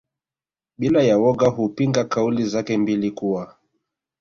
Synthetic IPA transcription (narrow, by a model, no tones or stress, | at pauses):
ɓilajawɔɡaɦupiŋɡakaulizakɛmbilikuwa